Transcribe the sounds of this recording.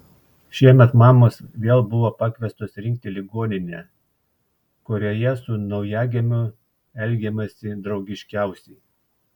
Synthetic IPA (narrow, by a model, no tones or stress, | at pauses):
ʃʲiɛmʲɛt̪mɑːmoːsʋʲeːlˠbʊʋopɑkʋʲɛst̪oːsɾʲɪŋʲk̚t̪ʲɪlʲɪɡoːnʲɪnʲɛː | kʊɾʲoːjɛsʊnɒʊjæːɡʲemʲʊ | ɛlʲɡʲɛmɐsʲɪd̪ɾɒʊɡʲɪʃʲkʲæˑʊsʲɛɪ